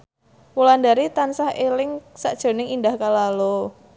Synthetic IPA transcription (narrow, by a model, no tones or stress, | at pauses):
wulandaɾit̪ansahelɪŋsa̰ʔd̥ʒ̥o̤nɪŋindahkalalo